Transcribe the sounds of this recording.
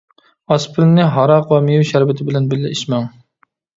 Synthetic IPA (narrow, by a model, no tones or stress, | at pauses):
ɑspʰɪɾnːɪɦɑɾɑqwɑmijuwʃæɾvɪt̪ʰɪbɪlɛnbɪlːɪiʃmɛŋ